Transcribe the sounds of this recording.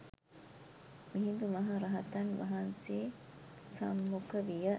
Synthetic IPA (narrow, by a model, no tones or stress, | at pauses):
miɦind̪umɐɦɐɾɐɦɐt̪ɐnʋɐ̰ɦanseː | sɐ̰mːukəʋijə